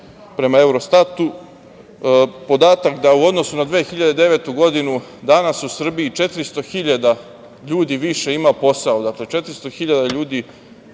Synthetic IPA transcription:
pɾe̞mae̞wɾo̞st̪at̪u | po̞d̪aːt̪akd̪auo̞d̪nosunad̪ʋeːxiʎad̪ed̪eʋet̪uɡo̞d̪inud̪anasusr̩biit͡ʃe̞t̪ɾist̪o̞xiʎad̪a | ʎuːd̪iʋiʃe̞imaopo̞saod̪akle̞t͡ʃe̞t̪ɾist̪o̞xiʎad̪aʎuːd̪i

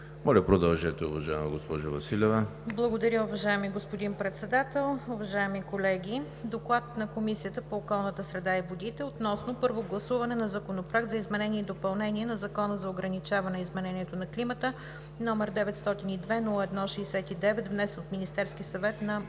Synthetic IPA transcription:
mɔlʲəpɾod̪ɐlˠʒɛt̪ɛʊ̰vɐʒaɛmɐɡospɔʒʊvɐsilʲɛvəblˠɐɡod̪ɐɾʲjəʊvɐʒaɛmiɡospod̪inpɾɛt̪sɛd̪at̪ɛlˠʊvɐʒaɛmikolɛɡʲi | d̪oklˠat̪nɐkomisiət̪əpoːkɔlˠnət̪əsɾɛd̪aivod̪it̪ɛot̪nɔsnopɤɾvoɡlˠɐsuvɐnɛnɐzɐkonopɾaɡt̪zɐizmɛnɛniɛid̪opɐlˠnɛniɛnɐzɐkɔnəzɐoɡɾɐnit͡ʃavɐnɛizmɛnɛniɛt̪onɐklimət̪ə | nɔmɛɾd̪ɛvɛt̪st̪ɔt̪inid̪vɛnulˠəɛd̪nɔʃɛːsɛt̪id̪ɛvɛt̪vnɛsnot̪minist̪ɛɾskisɐvɛt̪nɐ

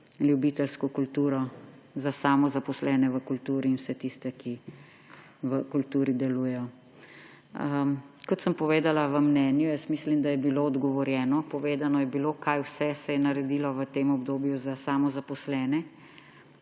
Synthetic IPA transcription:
ljubiːt̪ɛlskɔkult̪uːɾɔ | zasaːmɔzapɔslɛːnɛʋəkult̪uːɾiːnwsɛt̪ist̪ɛki | ʋəkult̪uːɾid̪ɛluːjɛjɔ | əkɔt̪səmpɔʋeːd̪alaʋəmnɛːnjujɛst̪mislimd̪ajɛbiloːd̪ɡɔʋɔɾjɛːnɔpɔʋeːd̪anɔjɛbilokajwsɛsɛjɛnɐɾɛd̪ilɔʋət̪eːmɔbd̪oːbjuzasaːmɔzapɔslɛːnɛ

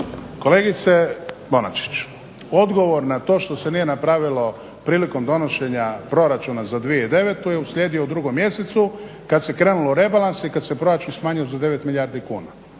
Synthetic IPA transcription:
ko̞le̞ɡit̪se̞bo̞na̰t͡ʃi̥t͡ʃ | o̞d̪ɡo̞ʋo̞ɾnat̪o̞ːʃt̪o̞se̞nije̞napɾaʋilo̞ | pɾiːliko̞md̪o̞no̞ʃe̞ɲapɾo̞ɾat͡ʃunazad̪ʋijeid̪e̞ʋet̪ujeusʎʲeːd̪ioud̪ɾuɡo̞mje̞set̪su | kad̪se̞kɾeːnulo̞uɾe̞balansikad̪se̞pɾo̞ɾat͡ʃunsmaːɲiozad̪e̞ʋe̞t̪milʎʲaːɾd̪ikuːna

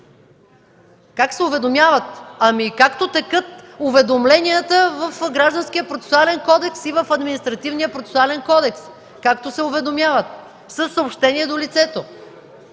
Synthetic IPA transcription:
kaksɛʊvɛd̪omʲjavət̪ɐmikakt̪ot̪ɛkɤt̪ʊvɛd̪omlɛniət̪əvəfɡɾaʒd̪ənsk̟ijəpɾot̪sɛ̥sʊalɛnkɔd̪ɛksivəfɐd̪minist̪ɾɐt̪ivnijəpɾot̪sɛ̥sʊalɛnkɔd̪ɛks | kakt̪osɛʊvɛd̪omjavət̪̚ | səsːɐopʃt̪ɛniɛd̪olit̪sɛt̪o

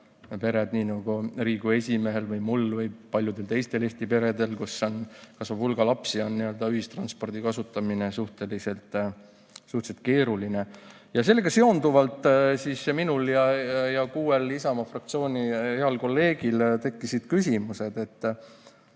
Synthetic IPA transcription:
pe̞ɾed̪niːnɑɡ̥uɾiːɡ̥ue̞sʲime̞ɦe̞lvɯjmulvɤjpɑlʲjud̪̥elt̪e̞jst̪e̞le̞st̪ipe̞ɾe̞d̪e̞lkusːonkɑsʋɑv̥ulɡ̥ɑlɑpsio̞nːiø̞ld̪̥ɑyɦist̪rɑnspo̞rd̪ikɑsut̪ːˑɑmine̞suht̪e̞lise̞lt̪ːˑ | suht̪set̪̚ke̞ːɾuline̞ | jɑs̬e̞lːeɡɑse̞o̞nd̪uvɑlt̪ːˑsisminuljɑjɑkuːelisɑmɑfrɑk̚t̪sio̞ːnʲieɑlko̞lːe̞ːɡ̥ilt̪e̞kːisid̪̥kysʲimuse̞d̪̥e̞t̪ː

